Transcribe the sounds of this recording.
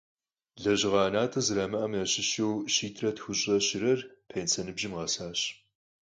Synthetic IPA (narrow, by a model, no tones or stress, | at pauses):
ɮɐʑɪʁɑːnaːtʰɐzɨɾaːmɨʔɐmnɐɕɪʃewʃiːtʰrɐtxʷʊɕʼɐɕɪɾɐrpʰeːnt͡sʰɐnɨbʒɪmʁɐsaːɕ